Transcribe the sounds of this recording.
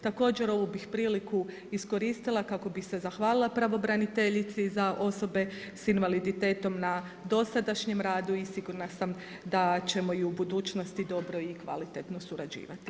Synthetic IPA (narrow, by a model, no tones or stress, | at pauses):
t̪ako̞ːd͡ʑe̞ɾo̞ʋubixpɾiːliku | isko̞ɾiːst̪ilˠakako̞bixse̞zaxʋaːlilˠapɾaʋo̞bɾanit̪e̞ʎit̪sizaʔo̞so̞be̞ | sinʋalid̪it̪e̞ːt̪o̞mna | d̪o̞sad̪aʃɲe̞mɾaːd̪uisiɡuɾnasam | d̪at͡ɕe̞mo̞iubud̪uːt͡ʃno̞st̪id̪o̞bɾo̞ikʋa̰lit̪et̪no̞suɾad͡ʑḭːʋat̪i̥